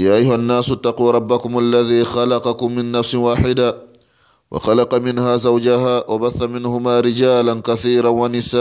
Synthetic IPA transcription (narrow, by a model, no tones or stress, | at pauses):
jaːʔajhʊanːaːsat̪ːɑquːɾˤɑbːakʊmʔalːaðiːxɑlɑqɑkʊmːɪnːafswaːħɪd̪a | wʔɑ̰xɑlɑqɑmɪnhaːzawd͡ʒahaːwabaθːamɪnhʊmaːɾɪd͡ʒaːlankaθiːɾanwanɪsaː